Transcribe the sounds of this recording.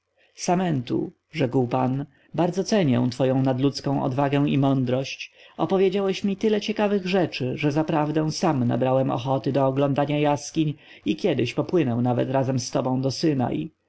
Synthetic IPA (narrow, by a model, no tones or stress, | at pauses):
samɛnt̪ṵ | ʐɛkwpan | baɾd̪zɔt̪sɛɲɛ̰w̃t̪fɔjɔ̃w̃nad̪lut̪skɔ̃w̃ʔɔ̰d̪vaɡɛw̃imɔnd̪ɾɔɕt͡ɕɔpɔvʲjed͡ʑawɛɕmʲit̪ɘlɛt͡ɕɛkavɘɣʐɛt͡ʂɘʐɛzapɾavd̪ɛ̃w̃samna̰bɾawɛmɔ̰xɔt̪ɘd̪ɔːɡlɔnd̪aɲajaskʲiɲ | ikʲjɛd̪ɘɕpɔpwɘnɛw̃navɛ̰t̪ɾazɛmst̪ɔbɔ̃w̃d̪ɔsɘna̰i